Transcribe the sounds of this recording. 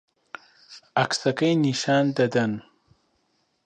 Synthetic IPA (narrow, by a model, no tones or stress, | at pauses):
aksɐkɐjniʃaːnd̪ɐd̪ɐn